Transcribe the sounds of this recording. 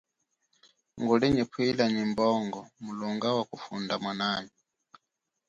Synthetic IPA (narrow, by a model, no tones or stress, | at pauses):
ŋɡulɛɲɛpʰilaɲimbɔŋɡɔmulɔŋɡawakufundamwanaːni